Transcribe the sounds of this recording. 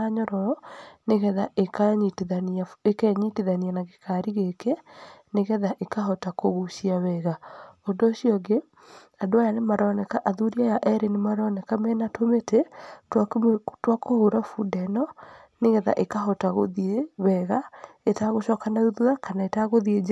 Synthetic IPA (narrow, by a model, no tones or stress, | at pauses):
aɲɔɾɔneɣɛðaekaɲiteðanaekɛɲiteðanianaɣekʰaɾiɣekɛneɣɛðaʔekaɦɔtakoɣuʃiaβɛɣaɔndoːɕiɔɡe | adoajanemaɾɔnɛkaʔaðuɾiajaʔɛɾenemaɾɔnɛkamɛnatometetatwakohoɾafudɛnɔneɣɛða̰ʔekaɦɔtaɣoðieβɛɣaetaɣoʃɔːkanauðuɾakanaetaɣoðied͡ʒ